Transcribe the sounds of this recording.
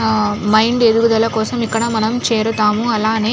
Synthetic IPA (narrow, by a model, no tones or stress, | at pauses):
mɐjɳɖeðuɣud̪ɐlɐkɔːsɐmikːɐɽɐmɐnɐmt͡ʃeːɾut̪aːmuɐlaːneː